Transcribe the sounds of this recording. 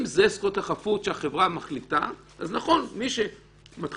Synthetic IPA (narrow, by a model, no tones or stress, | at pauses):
mzeskʁot̪aχafut̪ʃeaχevʁamaχlita | ʔaznaχo̞nmiʃe̞ | mat